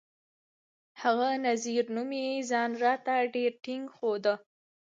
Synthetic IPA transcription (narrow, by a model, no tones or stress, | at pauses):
haɣanaziɾnumezɑnɾɑt̪aɖeɾʈɪŋɡxod̪ə